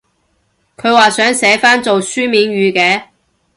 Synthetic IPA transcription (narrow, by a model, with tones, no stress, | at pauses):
kʰɵ˨˧ɥwaː˨sœː˨˥ŋsɛː˨˥faː˥nt͡so˨wsyː˥miː˨˥nɥyː˨˧kɛː˨˧